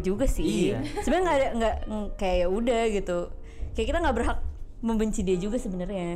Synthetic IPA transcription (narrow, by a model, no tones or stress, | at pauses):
d͡ʒuɡasɪsəbəɲaŋɡaːdaŋɡaʔkajajaudahɡit̪u | kajaʔkit̪aŋɡaʔbərɦak̚ | məmbəɲt͡ʃidiad͡ʒuɡasəbənərɲa